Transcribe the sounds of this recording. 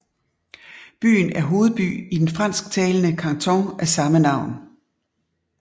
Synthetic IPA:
b̥y̰ːn̩æɐɦo̝ːð̞̩ˠb̥y̰ːid̥enfʁɑn̰sɡ̥̚t͡sʰɛːlənəkʰɑ̈ŋt͡sʰɒŋʔæsɑ̈mənɑ̈ʊ̰n

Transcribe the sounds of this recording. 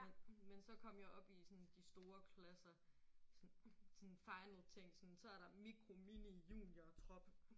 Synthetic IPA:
mensɒ̽kʰɒ̽m̰jaʔɒ̽b̥isɔnd̥isd̥o̝ːɐkʰlæsɐ | sɔ̽nfɑ̈ɪnl̩ˠt͡sʰeŋ̰̥sɔ̽nsɒ̽æɐɾ̥ɑ̈miɡ̥ʰʁo̝minijṵːniɐt͡sʰʁɒ̽b̥

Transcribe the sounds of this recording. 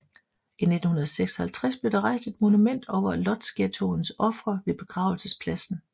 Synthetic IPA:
ine̝d̥n̩hunɐðˠseɡ̥sɒ̥hælt͡sʰʁasb̥le̝d̥ɑ̈ʁɑ̈ɪsd̥e̝d̥mo̝numen̰d̥ɒʊ̰ɐlɒ̽d̥sɡ̥et͡sʰo̝nsɒ̽fʁɐʋe̝b̥e̝ɡ̥ʁɑ̈ʊl̩səspʰlæsn̩

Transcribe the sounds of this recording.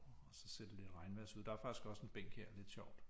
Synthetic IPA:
ɒsɒ̽seɐ̰d̥ele̝d̥ʁɑ̈ɪnʋæsuð̰ˠd̥ɑ̈æɐfɑ̈ɡ̥isɡ̥ɒ̽se̝nb̥eŋ̰ɡ̥heɐ̰le̝d̥ɕɒʊ̰d̥

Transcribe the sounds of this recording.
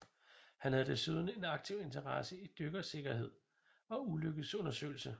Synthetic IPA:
hænhæð̩ˠd̥e̝syð̞ˠɐnəe̝nɑ̈ɡ̥̚t͡sʰiʊ̰e̝nt͡sʰɐʁɑ̈səid̥øɡ̥ɐse̝ɡ̥ɐɦe̝ð̞̰ˠ | ɒ̽uløɡ̥əð̩ˠsɔ̽nɐsø̰ːɪl̩sə

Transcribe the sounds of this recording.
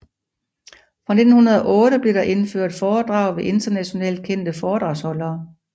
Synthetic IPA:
fʁɑ̈ne̝d̥n̩hunɐð̞ˠɐʔɔ̽ːɾəb̥le̝ɾ̥ɑ̈ʔe̝nføɐ̰d̥fɒːd̥ʁɑ̈ʊ̰ʋe̝ʔe̝nd̥ɐnæɕo̝nɛ̰ːld̥̚kʰen̰d̥əfɒːd̥ʁɑ̈ʊshɒ̽lɐː

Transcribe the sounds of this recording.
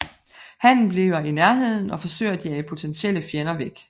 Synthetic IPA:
hæn̰n̩b̥liːʊɐinæɐɦe̝ð̰ˠn̩ɒ̽fɒ̽sø̰ɪɐd̥iæipʰo̝t͡sʰenɕel̰əfjenɐʋeɡ̥

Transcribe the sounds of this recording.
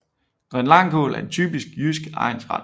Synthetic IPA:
ɡ̥ʁɛnlɑ̈ŋ̰kʰo̰ːlæɐe̝nt͡sʰy̰ːb̥isɡ̥jysɡ̥ɑ̈ɪnsʁɑ̈d̥

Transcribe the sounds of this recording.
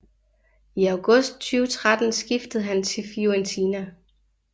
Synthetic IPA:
iɑʊɡ̥ɔ̽sd̥̚t͡sʰyːʊət͡sʰʁad̥n̩sɡ̥ifd̥əð̩ˠɦænt͡sʰe̝lfoɛnt͡sʰiːnæ

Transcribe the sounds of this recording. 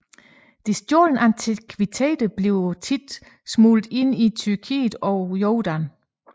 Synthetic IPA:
d̥isd̥joln̩ʔænt͡sʰikʰʋit͡sʰḛːd̥əb̥le̝ʊt͡sʰid̥ | smuːld̥e̝n̰it͡sʰyɐkʰḭːð̥̩ˠɒ̽jɒːd̥æn

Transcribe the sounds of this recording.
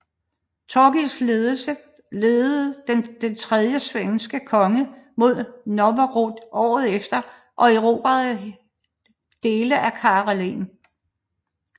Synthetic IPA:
t͡sʰɒɡ̥isle̝ːð̞ˠl̩sə | leːð̩ˠd̥end̥ent͡sʰʁɛð̞ˠjəsʋeŋsɡ̥əkʰɒ̽ŋəmo̝ð̞̰ˠnɒʋɐʁod̥ʔɒ̰ːð̞ˠefd̥ɐ | ʔɒ̽eʁo̝ːb̥ɐðˠ | d̥e̝ːləʔækʰɑ̈ːʁlen

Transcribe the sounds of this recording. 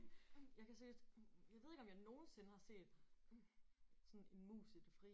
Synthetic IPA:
jɑ̈ɪkʰæseɡd̥jɑɪʋe̝ðˠeɡ̥ɒ̽mjɑ̈ɪno̝ːn̩se̝nəhɑ̈se̝̰ːd̥ | sɒ̽ne̝nmṵːsid̥efʁi

